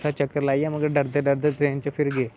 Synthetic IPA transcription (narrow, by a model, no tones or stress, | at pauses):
sat͡ʃəkːəɾlaːiaməɡəɾɖəɾd̪eɖəɾd̪et̪ɾẽːnt͡ʃefʰɪɾɡeː